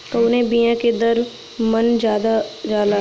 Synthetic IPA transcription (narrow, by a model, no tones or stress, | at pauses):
koːnebijãked̪ɐɾ | mɐnd͡ʒjaːd̪azjaːd̪a